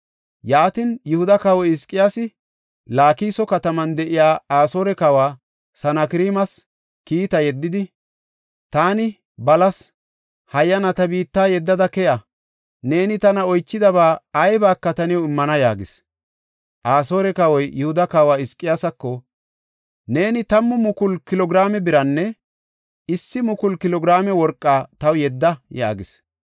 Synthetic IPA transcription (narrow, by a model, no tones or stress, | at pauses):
jaːt̪injʊhʊd̪ɐkɐwɔjɪskʼːɪjasɪ | laːkiːsɔkɐt̪ɐmɐnd̪ɛʔɪjaːaːso̞ːɾɛkɐwaː | sɐnɐkɪɾiːmɐs | kiːt̪ɐjɛd̪ːɪd̪ɪ | t̪aːnɪ | bɐlɐs | hɐjːɐnɐt̪ɐbiːt̪ːaːjɛd̪ːɐd̪ɐkɛjɐ | ne̞ːnɪt̪ɐnɐɔjt͡ʃːɪd̪ɐβaːɐjbaːkːɐt̪ɐnɪjɔɪmːɐnɐjaːɡɪs | ʔaːsoːɾɛkɐwɔjjʊhʊd̪ɐkaːwaːɪskʼːɪjasɐkːɔ | ne̞ːnɪt̪ɐmːʊmʊkʊlkɪlɔɡɾaːmɛbɪɾɐnːɛ | ɪsːɪmʊkʊlkɪlɔɡɪɾaːmɛwɔɾkʼːaːt̪ɐwjɛd̪ːɐja̰ːɡɪs